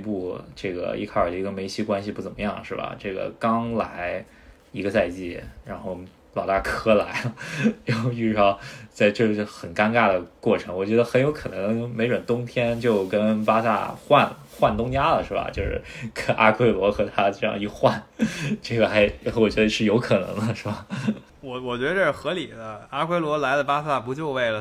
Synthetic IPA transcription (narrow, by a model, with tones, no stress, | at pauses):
pu˥˧ʈ͡ʂɤ˥˩ɡə̰˩ḭ˧˥kʰa˞˥˩˨ə˧i˧˥ɡə˧me˧˥ɪɕʰi˥kwa˥nɕi˨˧pu˥˩t͡sə˨˩mə˦jɑ˥˩ŋʂɻ̩˥˩bɐ̰˩ʈ͡ʂɤ˥˩ɡə̰˩kɑ˥ŋla̰˧˥ɪ | i˧˥ɡə˧t͡sa˥˧ɪt͡ɕi˥˩ɻa˧˥nxo˥˩ʊ | lɑ˨˩ʊt̪a˥˩kʰɤ˧˥la˧˥ɪ˧˥ | xi˥˩ʂɻ̩˧˥ʂɑ˥˧˩t͡sa˥˧ɪʈ͡ʂɤ˥˩˥xə˨˩nka˥nka˥˩d̪ə˩kwɔ˥˩ʈ͡ʂʰɤ˧˥ŋwɔ˨˩t͡ɕɥɛ˧˥d̪ə˧xnjo˧˥ʊkʰɤ˨˩nɤ˧˥ŋme˧˥ɪɻwə˨˩nt̪ʊ˥ŋt̪ʰjɛ˥nt͡ɕjo˥˩ʊkə˥npa˥sa̰˥˩xwa˥˩nl | xwa˥˩nt̪ʊ˥ŋt͡ɕja˥lə̰˨ʂɻ̩˥˩bɐ̰˩t͡ɕjo˥˧ʊʂɻ̩̰˥˩kə˥nʔa̰˥kʰwe˥ɪlwɔ˧˥xɤ˧˥t̪ʰa˥ʈ͡ʂɤ˥˧jɑ̰˥˧ŋi˥˧xwa˥˩nʈ͡ʂɤ˥˩ɡə˩xa˧˥ɪwɔ˨˩t͡ɕɥɛ˧˥d̪ə˧ʂɻ̩˥˩jo˧˥ʊkʰɤ˨˩nɤ̰˧˥ŋd̪ə˧ʂɻ̩˥˩ba˩ | wɔ˨˩wɔ˨˩t͡ɕɥɛ˧˥d̪ə˧ə˥˩ɻxɤ˧˥li˨˩də˦a˥kʰwe˥ɪlwɔ˧˥la˧˥ɪlə˧pa˥sa˥˩pu˧˥t͡ɕjo˥˧ʊwe˥˩ɪlə˩